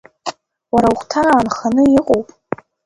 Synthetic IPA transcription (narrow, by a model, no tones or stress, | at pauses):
waɾawχʷtʰaɾaːnχanɨɪqʼowpʼ